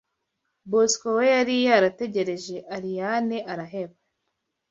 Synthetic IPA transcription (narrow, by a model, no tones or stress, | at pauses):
boskowejaɾijaɾate̞ɟe̞ɾe̞ʒe̞ʔaɾijaneʔaɾaɦe̞βa